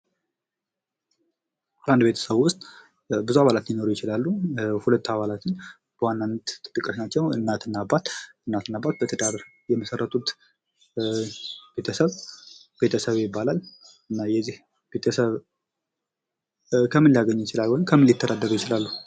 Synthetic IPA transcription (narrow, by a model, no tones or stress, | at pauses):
bʔand̪be̞t̪ʰə̥səβwʊst̪ʼ | bɨzuaβalat̪jɪno̞ɾujɪt͡ʃɪlalːuhulət̪ːaβalat̪ʰɨɲː | b̥əwanːanːt̪t̪ʼɨt̪ʼːɨkʼːəʃnat͡ʃːɛwɨ̰nːat̪ɨnːabːat̪ɨnːat̪ɨnːabːat̪̚bət̪ʰəd̪aɾ | jɛməsərːət̪ʰʼut̪ | b̥e̞t̪ʰəsəβ | b̥e̞t̪ʰəsəβjɪbːalal | ɨnːajɛzːih | bet̪ʰəsəβ | kʰəmɨnlijaɡəɲːjɪt͡ʃɪlalwojmkʰəmːɨnljɪt̪ʰːəd̪ad̪ːəɾujɪt͡ʃɪlalːu